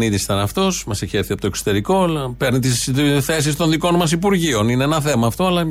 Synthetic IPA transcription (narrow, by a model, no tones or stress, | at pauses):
niðisi̥t̪ɐnɐft̪o̞smɐseçieɾθiɐpo̞t̪okso̥t̪e̞ɾiko̞lɐpe̞ɾnit̪isθe̞s̬ist̪o̞nðiko̞nmɐsipuɾʝio̞nineenɐθe̞mɐːft̪o̞ɐlɐ